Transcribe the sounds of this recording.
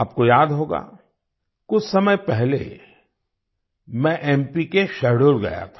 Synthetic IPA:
aːp̚kojaːd̪ɦoːɡa̰ː | kʊt͡ʃʰsɐməjpɛɦlḛ | mɛ̃ʔɛːmpikeʃɐɽoɾɡɐ̰ja̰t̪ʰḁ

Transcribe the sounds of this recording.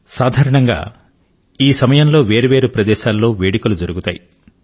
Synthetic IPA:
saːd̪ʱaːɾɐɳɐŋɡa̰ː | iːsɐmɐjɐmlo̞ːʋe̞ːɾɐʋeːɾupɾɐd̪ɛːʃaːlːo̞ːʋe̞ːɽikulud͡ʒɐɾuɡut̪a̰ːji

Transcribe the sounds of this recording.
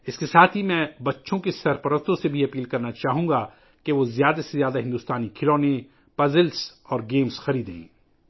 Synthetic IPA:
ɪskesaːt̪ʰɦimɛ̃ːbɐtːʃʰõkesɐɾpɐɾəst̪õsebʱiɐpiːlkɐɾnat͡ʃaːɦũːɡa | keʋozjaːd̪asezjaːd̪aɦɪ̃nd̪uːst̪aːnikʰɪloːnẽ | pɐzɪlsɔːɾɡeːmsxɐɾiːd̪ḛ̃ː

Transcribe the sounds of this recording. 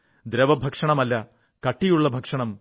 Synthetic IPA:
d̪ɾɐʋɐbʱɐkʂɐɳɐmɐlːɐ | kɐʈːijuɭːɐbʱɐkʂɐɳɐm

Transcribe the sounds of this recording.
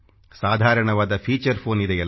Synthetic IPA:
saːd̪ʱaːɾɐɳɐʋaːd̪ɐpʰiːt͡ʃɐɾpʰoːnid̪ejɐl

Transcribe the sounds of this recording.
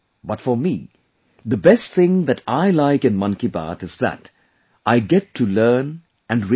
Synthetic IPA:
b̥ʌtfɔɾmi | d̪əbɛst̚θɪ̃ŋd̪ætʰaɪlaɪkɨ̃nmʌ̃nkiba̰t̪ɨzðæ̰t | ʔaɪɡɛtʰːulɜːn | æ̃nɾ

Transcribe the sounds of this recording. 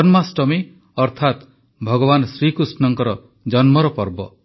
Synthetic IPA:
ɔnmasʈɔmi | ɔɾt̪ʰat̪ | bʱɔɡɔβanɔsɾikɾusnɔŋkɔɾɔ | d͡ʒɔnmɔɾɔpɔɾbɔ̰

